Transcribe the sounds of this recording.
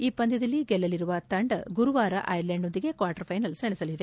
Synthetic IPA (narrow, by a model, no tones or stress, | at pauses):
iːpɐnd̪id̪ɐlːiɡɛlːɐliɾuʋɐt̪ɐɳɖɐɡuɾuʋaːɾɐ̰ʔɐjɐɾleɳɖond̪iɡe̞kʋaːɾʈɐɾpʰɐjnɐlsɐɳesɐliʋe̞